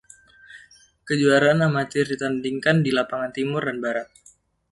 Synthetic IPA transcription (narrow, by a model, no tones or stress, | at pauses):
kəd͡ʒuaɾaːnamat̪ɪrdit̪andiŋkandilapaŋant̪imʊrdanbaɾat̪̚